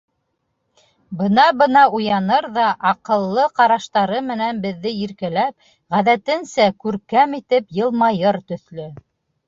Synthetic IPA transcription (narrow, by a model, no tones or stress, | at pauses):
bɤ̆nɑbɤ̆nɑujɑnɤɾðɑʔɑqɤ̆lˠːɤqɑɾɑʃt̪ɑɾɤmɘ̆nænbɘ̆ðːɘiɾkælæp̚ | ʁæðæt̪ɘ̆nsækʉɾkæmit̪ɘpjɤ̆lˠmɑjɤɾt̪ɵ̆θlɵ